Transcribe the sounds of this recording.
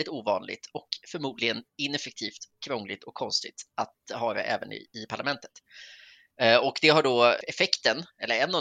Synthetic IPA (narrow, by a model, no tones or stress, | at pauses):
ɪt̪uːvɑːnlɪ̰ɡt̪ʰɔkfœɾmuːd̪lɪɡənɪnɛfɛk̚t̪ʰiːft̪kʰɾɔŋːlɪɡ̚t̪ɔkʰːɔnst̪ɪɡ̚t̪ʔat̪ɦœːɾa̰ʔɛ̰ːvə̰nɪ̰ɪpʰaɭamɛnt̪ʰə̥t̪ | ɔkd̪ɛɦaɖɔɛfɛkt̪ənɛlːəɾɛnːɔ